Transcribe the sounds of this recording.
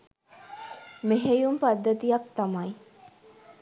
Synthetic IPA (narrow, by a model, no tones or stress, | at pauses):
meɦejumpad̪ːət̪ijɐk̚t̪amaj